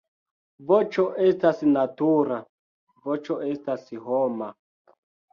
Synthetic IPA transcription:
vot͡ʃoʔestasnatuɾa | vot͡ʃoʔestasiɦoma

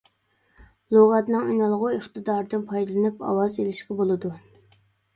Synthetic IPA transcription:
lˠoʁɑt̪nɨŋynɑlˠʁʊeχt̪ɨd̪ɑɾɨd̪ɨnpʰɑjd̪ɨlˠɨnɨpɑ̰wɑzelɪʃqɑbolˠɨd̪u

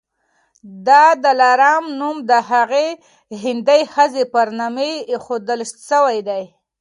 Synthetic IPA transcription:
d̪ɑd̪əlaɾɑmnumd̪əɦaɣe | ɦɪnd̪ajxəzepaɾnamexod̪əlʃəwajd̪aj

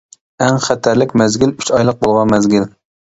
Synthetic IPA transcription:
æŋχæt̪ʰæɾlɪkʲmɛzɡʲilyt͡ʃɑjlˠəq̚bolˠʁɑnmɛzɡʲɪl

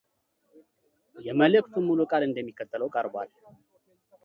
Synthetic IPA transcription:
jɛmələkt̪ʰumːulukʼalɨnd̪əmːikːət̪ʰːələwkʼəɾbʷa̰l

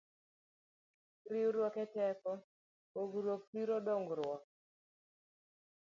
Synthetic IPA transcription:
ɾɪwɾwɔkɛtɛkɔ | oɡɾwok̚piɾodoŋɡɾwɔk

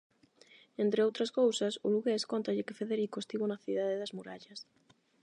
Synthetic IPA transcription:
ent̪ɾɪowt̪ɾɐskowsɐsʊluɣeskɔnt̪ɐʎɪkɪfeðeɾikoest̪iβʊnɐθiðaðɪðɐzmuɾaʎɐs

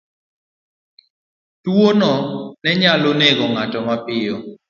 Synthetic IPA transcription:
tuonɔnɛɲalonɛɡɔŋatɔmapɪjɔ

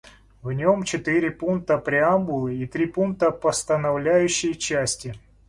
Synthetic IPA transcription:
vnʲo̞mt͡ɕɪt̪ɨɾʲɪpunk̚t̪əpɾʲɪamɡʊlˠɨit̪ɾʲipunk̚t̪əpəst̪ənɐvlʲæjʉɕːɪjt͡ɕæsʲtʲɪ

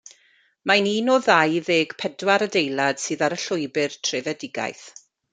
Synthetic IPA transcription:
maniːnoɔðajðeːɡ̥pʰɛdwaɾədejlˠad̥sɨːðaɾəɬʊɨbɪrtʰrɪvɛdɪɡa̰jθ

